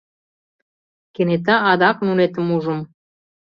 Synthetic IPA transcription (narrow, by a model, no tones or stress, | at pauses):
kenet̪̬ɑɑd̪ɑk̚nunet̪ə̆muʒə̆m